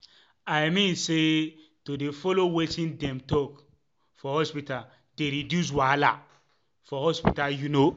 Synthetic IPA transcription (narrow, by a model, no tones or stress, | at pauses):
ajmĩnse | todefɔlowetĩndɛ̃mtɔk | fɔhɔspita | teɾidjus̬wala̰ | fɔhɔspitajuno